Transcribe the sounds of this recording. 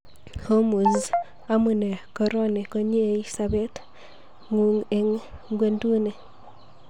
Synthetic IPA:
ho˦mu˨z | a˦mu˨ne˨ko˦ɾo˦ne˨ko˦ɲe˦e˨li˦sa˦be˦t | ŋu˨˦ŋe˨ŋɡwe˦ndu˦ne˨

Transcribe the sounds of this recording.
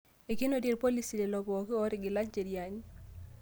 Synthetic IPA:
e˨ki˦no˦dje˨ɾpo˦li˦si˨le˨lɔ˨bɔː˨kɪ˦ɔ˦ɾɪ˨ɡɪ˨la˦ɲd͡ʒe˨ɾja˨ɲ˦

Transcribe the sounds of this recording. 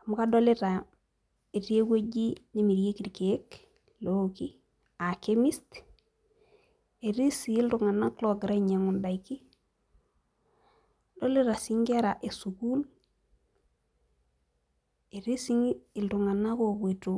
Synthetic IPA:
a˨mu˦ka˦do˦le˦ta˨ | e˨ti˦e˦kwe˦ɟi˦ne˦mi˨ɾje˦ki˨ɾke˨e˦k | loki˦ | a˨ke˦mi˦st | e˨ɾi˦si˨i˦ltu˨ŋa˨na˦klo˨ɡɾe˦ɲe˨ŋu˨nda˨iki˦ | do˦le˦ɾa˨si˦ŋɡe˦ɾa˨ʔe˨su˨ku˦l | e˨ɾi˦si˦ŋi˨ltu˨ŋa˨na˦ko˨ke˨tu˨

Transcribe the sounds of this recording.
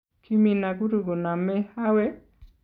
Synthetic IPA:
kʰi˦mi˨na˨ɡu˦ɾu˨ɡo˨na˨mɛ˦ha˦wɛ˦

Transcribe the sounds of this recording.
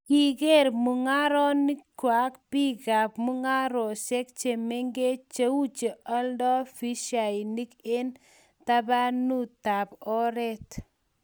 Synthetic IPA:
ki˨ke˦˨ɾmu˨ŋa˦ɾɔ˦ni˦kːwa˨kpi˦ɣa˨pmu˦ŋa˦ɾɔ˨sɛ˦k̚t͡ʃe˨me˦ŋɡe˦t͡ʃe˦wu˦t͡ʃe˨ʔɔ˦ldɔ˦fi˦ʃa˨i˨ni˦ke˦n | ta˦ba˦nu˦ta˨pɔ˦ɾɛ˦t

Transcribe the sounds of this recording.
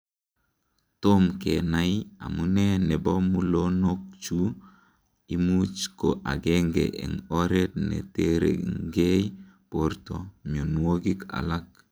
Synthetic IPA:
to˦mke˨na˨ia̰˨mu˦nɛ˦nɛ˨bo˦mu˦lo˦no˦k̚t͡ʃu˦ | i˦mu˦t͡ʃko˨ʔa˨ɡe˦ŋɡḛ˨ʔḛ˨ŋo˦ɾe˦tnḛ˨te˦ɾḛ˨ŋɡe˦i | po˨ɾto˨mio˨nwo˦ɡi˦ka̰˨la˦k̚

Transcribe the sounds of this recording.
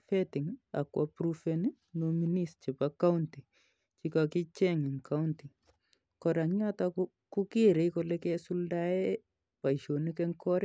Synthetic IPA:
fɛtɪ˨ŋa̰˨kwa˨pɾufeni˦ | no˦mi˦nist͡ʃe˨paka˦unti˨ | t͡ʃi˦ka˨ki˦t͡ʃɛ˦ŋɪ˨ŋkʰa˦unti˨ | kɔ˨ɾa˨ŋɲa˦ta | ku˦ki˦ɾe˨ko˨lɛ˦kɛ˦su˦lda˦ɛ | pa˨iʃo˨ni˦kɛ˦ŋkʰɔ˦ɾ

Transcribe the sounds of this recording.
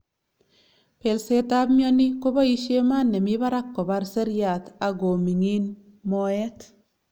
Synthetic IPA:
pe˨lsetabmjo˦ni˦ko˦ba˦i˦ʃe˦ma˦nːe˨miba˦ɾa˦kːɔ˨ba˧ɾse˦ɾja˨t̪a˨ɡo˨mi˨ŋi˦n | moet

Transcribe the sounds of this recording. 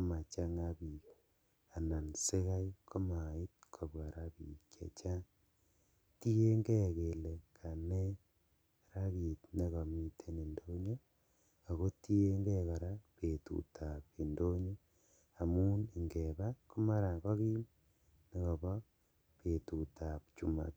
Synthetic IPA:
ma˨t͡ʃa˦ŋa˦βi˨k | a˨na˨nse˦ka˦i˦kʰo˦ma˨i˦t̚kʰo˨βwa˨ɾa˦βḭ˨kjḛ˨t͡ʃa˦ | ti˦e˦ŋɡe˦ke˨le˨kʰa˨ne˦ | ɾa˦βi˨tne˦ɣo˨mi˨tʰe˦ne˨ndo˦ɲo˦ | a˨ɣo˦ti˦e˦ŋɡe˦ɣa˨ɾa˦pe˨tṵ˨tʰa˨pe˨ndo˦ɲo˦ | a˨mu˦ne˨ŋɡeβako˦ma˦ɾa˨ko˦ɣi˦m | ne˦ko˨βo˦ | pe˨tu˨ta˨pt͡ʃu˨ma̰˨t

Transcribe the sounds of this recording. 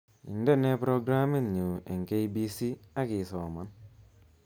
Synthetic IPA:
ḭ˨ndɛ˦ne˦pɾo˦ɡɾa˦mi˦ŋnu˨ɛ˨ŋke˦jbi˦si˦a˦ki˨sɔː˨ma˨n

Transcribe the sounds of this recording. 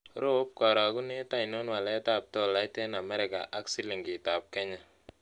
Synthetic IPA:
ɾo˦p̚kɔ˨ɾɔ˨ɡu˦ne˦ta˦ɪ˨no˦nwa˨lɛ˦ta˦˨p̚to˦la˦ɪte˦na˨mɛ˦ɾɪ˨ka̰˨ʔa˦ksi˦li˨ŋɡɪ˨ta˨p̚kɛ˦ɲa˨

